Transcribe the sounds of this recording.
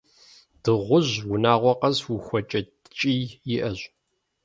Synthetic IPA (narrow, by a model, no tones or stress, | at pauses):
d̥ɨʁʷʊʑwʊnaːʁʷɔqʼɐzwʊxʷɔt͡ʃʼɐdt͡ʃʼijjɪʔɐʑ